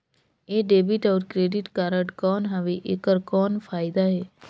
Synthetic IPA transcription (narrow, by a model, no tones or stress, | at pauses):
eːɖeːbɪʈɔːɾkɾeːɖɪʈkaːɾəʈkɔːnɦaʋeʔekəɾkɔːnpʰaːɪd̪aɦɛː